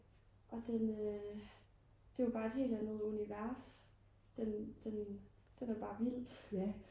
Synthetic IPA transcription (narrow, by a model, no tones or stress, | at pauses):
ʔɒ̽d̥enø | d̥e̝jʊb̥ɑ̈ːe̝d̥ɦe̝̰ːld̥ænəð̞̩ˠuniʋæɐs | d̥end̥en | d̥enæɐb̥ɑ̈ːʋil̰